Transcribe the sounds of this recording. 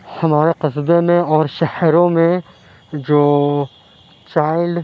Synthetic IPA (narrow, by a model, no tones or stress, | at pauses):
hɐmaːɾeqɪsbemẽɔːɾʃɐhɾõmẽ | d͡ʒoː | t͡ʃaːɪlɖ